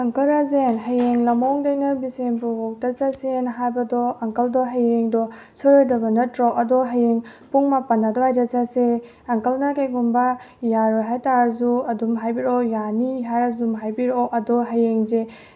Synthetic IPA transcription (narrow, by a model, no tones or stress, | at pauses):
ɐŋkɐɾazenɦɐjeŋlɐmɔŋdɐjnɐbisenpubok̚tɐt͡ʃɐsenɦajbɐdɔɐŋkɐldɔɦajeŋdɔ | sɔɾojdɐbɐnɐtɾɔʔɐdɔɦajeŋpuŋmapɐnːadɔɦajdɐt͡ʃase | ɐŋkɐlnɐkajɡumbɐ | jaɾɔɦajtaɾɐzuɐdumɦajbiɾɔjaniɦajɾazumɦajbiɾɔʔɐdɔɦɐjeŋze